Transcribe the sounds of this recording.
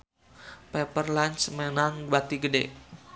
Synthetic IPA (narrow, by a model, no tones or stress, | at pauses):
pɛpərlant͡ʃmenaŋbat̪iɡədɛ̰ʔ